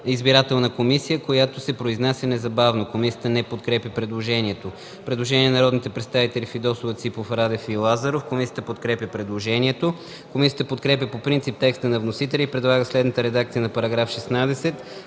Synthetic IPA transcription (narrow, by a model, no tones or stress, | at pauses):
izbiɾat̪ɛlˠnəkomisijəkojat̪osɛpɾoiznasʲjənɛzɐbavnokomisiət̪ənɛpot̪kɾɛpjəpɾɛd̪lˠoʒɛniɛt̪o | pɾɛd̪lˠoʒɛniɛnɐɾɔd̪nit̪ɛpɾɛt̪st̪avit̪ɛlʲifid̪ɔsovət̪sipofɾad̪ɛfilˠazəɾofkomisijə̥t̪əpot̪kɾɛpjʲəpɾɛd̪lˠoʒɛniɛt̪o | komisijət̪əpot̪kɾɛpjʲəpopɾint̪ip̚t̪ɛkst̪ənɐvnosit̪ɛlʲəipɾɛd̪lˠaɡəslɛd̪nət̪əɾɛd̪ak̚t̪sijənɐpɐɾɐɡɾafʃɛsnad̪ɛsɛt̪